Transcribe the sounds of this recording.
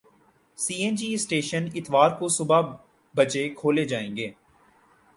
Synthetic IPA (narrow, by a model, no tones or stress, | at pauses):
siːẽnd͡ʒiːɪsʈeːʃənɪt̪ʋaːɾkosʊba | bɐt͡ʃekʰoːled͡ʒaːẽːŋɡeː